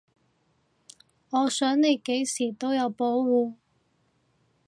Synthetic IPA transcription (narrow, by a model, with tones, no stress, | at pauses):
ŋɔː˨˧sœː˨˥ŋne˨˧jke˨˥jsiː˨˩t̪o˥wjɐ˨˧wpo˨˥wwuː˨˧